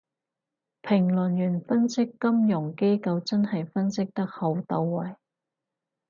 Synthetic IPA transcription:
pʰɪ˨˩ŋlɵ˨˩njyː˨˩nfɐ˥nsɪ˥kːɐ˥mjʊ˨˩ŋke˥jkɐ˧wt͡sɐ˥nhɐ˨jfɐ˥nsɪ˥k̚t̪ɐ˥k̚ho˨˧wt̪ɐ˧wːɐ˨˩j

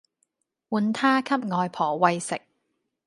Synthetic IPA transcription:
wuː˨˧nt̪ʰaː˥kʰɐ˥p̚ŋɔː˨˧jpʰɔː˨˩wɐ˧jsɪ˨k̚

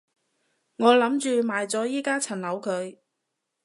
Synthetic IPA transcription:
ŋɔː˨˧lɐ˨˥mt͡ʃyː˧maː˨˧jt͡sɔː˨˥jiː˥kaː˥t͡sʰɐ˨˩nlɐ˨˧˥wkʰɵ˨˧ɥ

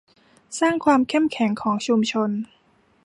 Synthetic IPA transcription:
saː˥˩ŋkʰwaː˧mkʰe˥˩mkʰɛ˩˦ŋkʰɔː˩˦ŋt͡ɕʰu˧mt͡ɕʰo˧n

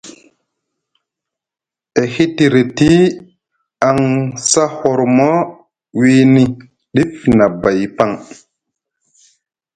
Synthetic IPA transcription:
e˨hi˦ti˨ɾe˨ti˦ | a˨ŋsa˦ho˨ɾmɔ˦ | wi˦ni˦ | ɗi˦fna˨ba˨jpa˦ŋ

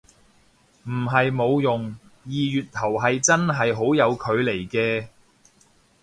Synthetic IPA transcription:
m̩˨˩ɦɐ˨jmo˨˧wjʊ˨ŋjiː˨jyː˨t̚t̪ʰɐ˨˩wɦɐ˨jt͡sɐ˥nɦɐ˨jɦo˨˥wjɐ˨˧wkʰɵ˨˧ɥle˨˩jkɛː˧

